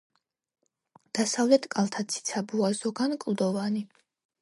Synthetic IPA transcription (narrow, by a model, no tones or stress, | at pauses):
d̪̥asavlɛt̪ʰkʼalˠt̪ʰat̪sʰi̥t̪sʰabuazɔɡankʼlˠd̪ɔvani